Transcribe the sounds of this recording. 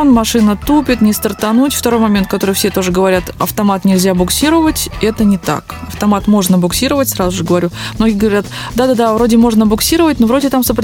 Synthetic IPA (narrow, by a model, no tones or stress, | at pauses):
nmɐʂɨnət̪upʲɪt̪nʲɪst̪ərt̪ɐnutʲft̪ɐɾo̞jmɐmʲent̪̚kɐt̪o̞ɾɨfsʲe̞t̪o̞ʐɨɡəvɐɾʲat̪ɐ̰ft̪ɐmat̪nʲɪlʲzʲabʊksʲiɾəvətʲɛt̪ənʲɪt̪a̰kɐft̪ɐmat̪mo̞ʐnəbʊksʲiɾəvətʲsɾazʊʐɨɡəvɐɾʲummno̞ɡʲɪːɡəvɐɾʲat̪ | d̪ad̪ad̪avɾo̞dʲɪmo̞ʐnəbʊksʲiɾəvət̚ʲnovɾo̞dʲɪt̪amsəpɾ